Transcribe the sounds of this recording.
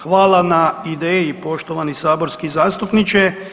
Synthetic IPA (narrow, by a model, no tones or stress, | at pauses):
xʋaːlˠanaid̪eːjipo̞ʃt̪o̞ʋanisaːbo̞ɾskizaːst̪upnit͡ʃe